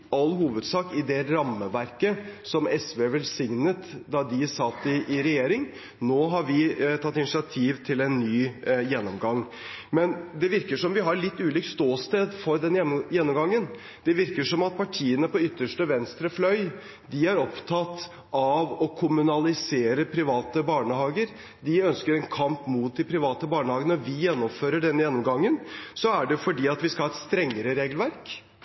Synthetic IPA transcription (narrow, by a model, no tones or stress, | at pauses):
ɑlːhuːʋəd̪sɑːkɪd̪ɛɾɑmːəʋæɾkəsɔmɛsʋeʋɛlsɪŋnət̪d̪ɑd̪ɪsɑt̪ːɪʔːɾɛjeːɾɪŋ | noːɦɑɾʋɪt̪ʰɑt̪ːɪnɪsɪɑt̪ʰiːʋt̪ʰɪlɛnːyːjɛnːɔmɡɑŋː | mɛnd̪ɛʋɪɾkəʂɔmʋɪɦɑɾɭɪt̪ːʉːliːkst̪oːst̪eːd̪fɔɾd̪ɛnjɛnːɔmɡɑŋːən | d̪̥ɛʋɪɾkəʂɔmɑt̪̚pʰɑʈʰiːənəpɔʏt̪ːəʂʈəʋɛnst̪ɾəflœʏ | d̪ɪæɾɔpt̪ʰɑt̪ː | ɑʋɔkʰʊmʉnɑlɪseːɾəpʰɾɪʋɑːt̪əbɑːɳəhɑːɡəɾ | d̪ɪœnskəɾɛnkʰɑmpmut̪̚d̪ɪpʰɾɪʋɑːt̪əbɑːɳəhɑːɡənɔʋɪjɛnːɔmføːɾəɖɛnːəjɛnːɔmɡɑŋːənsɔæɖɛfɔɖiːɑt̪ʋɪskɑhɑːɛt̪st̪ɾɛŋːəɾəɾeːɡəlʋæɾk